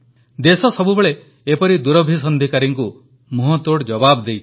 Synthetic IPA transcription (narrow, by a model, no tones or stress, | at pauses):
d̪esɔsɔbubeɭeː | pɔɾid̪uɾɔbʱisɔnd̪ʱikaɾiŋku | muɦɔt̪oɽd͡ʒɔbabd̪ejt͡ʃʰ